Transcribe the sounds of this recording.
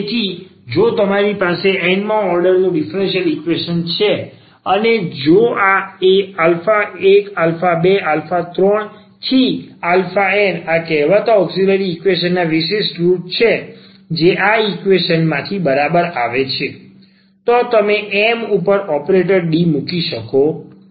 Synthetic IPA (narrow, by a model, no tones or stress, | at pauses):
et̪ʰid͡ʒot̪əmaɾipaseʔɛnmãɔɾɖəɾnũɖɪfɾɛ̃nʃiəlikʋeʃənt͡ʃʰe | əned͡ʒoʔaealfaekalfabealfat̪ɾɔɳ | t̪ʰialfaɛnakɛɦʋət̪aɔɡsiləɾiːkʋeʃ̬ənːaʋiʃesʈɾuʈ̚t͡ʃʰe | d͡ʒeʔaikʋeʃənmãt̪ʰibəɾabəɾaʋet͡ʃʰe | t̪ot̪əmeʔɛmupəɾɔpɾeʈəɾɖimukiʃəko